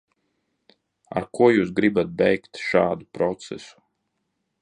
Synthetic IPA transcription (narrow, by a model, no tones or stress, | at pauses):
a̰ɾkuɔjuːsɡɾibat̪̚bɛjkt̪ʃaːd̪upɾɔt̪sɛ̰su̥